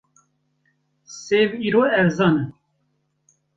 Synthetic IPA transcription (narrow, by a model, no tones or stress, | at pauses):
seːviːɾoːɛvzɑːnɨn